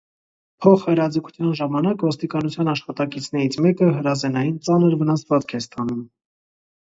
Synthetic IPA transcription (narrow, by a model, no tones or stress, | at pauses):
pʰɔχhɛɾɑd͡zəkʰu̥t͡sʰjɑnʒɑmɑnɑkvɔst̪ikɑnut͡sʰjɑnɑʃχɑt̪ɑkit͡sʰn̪ɛɾit͡sʰmɛkəɦəɾɑzɛnɑjint͡sɑnəɾvənɑsvɑt͡skʰɛst̪ɑnum